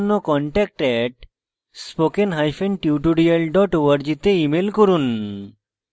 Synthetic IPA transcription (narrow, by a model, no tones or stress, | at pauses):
nːokɔɳʈɛk̚ʈɛʈ̚ | spokenɦajfenʈiuʈuɖialɖɔʈowaɾd͡ʑit̪eimelkoɾun